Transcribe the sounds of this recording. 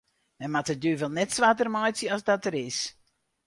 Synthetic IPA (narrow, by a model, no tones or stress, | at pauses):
mɛnmatət̚dyːʋɛlˠnɛtsʋatərmajsjəɑsdɔtəɾɪs